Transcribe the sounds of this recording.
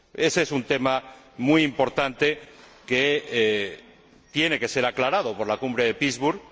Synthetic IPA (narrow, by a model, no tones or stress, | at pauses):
e̞sesunt̪e̞ma | mujimpo̞ɾt̪ant̪e̞ke | t̪je̞ne̞ke̞se̞ɾaklaɾað̞o̞po̞ɾlakumbɾe̞ðe̞pizβuɾ